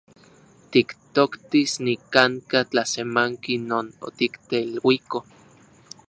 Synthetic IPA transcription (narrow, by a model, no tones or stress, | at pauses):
t̪ikt̪okt̪isnikaŋkat͡ɬasemaŋkinoːno̰t̪ikt̪eilwiko